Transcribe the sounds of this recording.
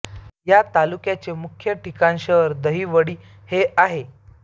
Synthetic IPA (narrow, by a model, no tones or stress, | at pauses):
jat̪alukjat͡ɕemukʰjəʈikãnɕəɾd̪əɦiːʋəɽiː | heʔaɦe